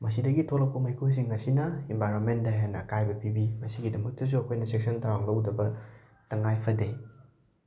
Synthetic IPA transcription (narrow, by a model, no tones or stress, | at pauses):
mɐs̬idɐɡitʰolɐk̚pɐmɐjkʰus̬iŋːɐsinɐembajɾonmendɐɦenːɐkajbɐpibimɐsiɡidɐmɐk̚tɐs̬uɐkʰojnɐsek̚sɐntaɾaŋlɐwdɐbɐ | tɐŋajpʰɐde